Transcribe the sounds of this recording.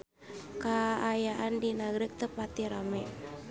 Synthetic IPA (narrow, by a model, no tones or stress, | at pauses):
kaːjaʔandinaɡɾɪk̚t̪əpat̪iɾamɛ